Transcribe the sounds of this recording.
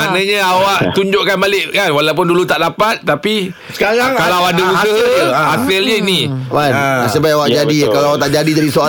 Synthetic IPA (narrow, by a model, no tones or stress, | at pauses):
anə̃ɲəawaʔt̪uɲd͡ʒʊʔkanbalɪʔkanwalawp̬ʊndulut̪aʔdapat̪̚ːapi | sə̥kaɾaŋkalawadausəɦasələinimanasəbajawaʔd͡ʒadikalaawat̪aʔd͡ʒadid͡ʒadisoa